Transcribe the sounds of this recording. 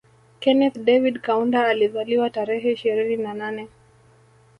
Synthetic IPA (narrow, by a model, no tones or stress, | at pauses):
kɛnɛθdɛvidkaundaːlizaliwataɾɛɦɛiʃiɾininananɛ